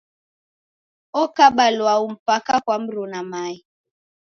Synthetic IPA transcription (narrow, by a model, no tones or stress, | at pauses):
ɔkaɓalwaum̩pakakwam̩ɾunamai